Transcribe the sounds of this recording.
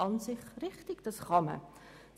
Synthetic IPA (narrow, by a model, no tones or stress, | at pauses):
ɑnsɪχriχtikdəsχɑmə̰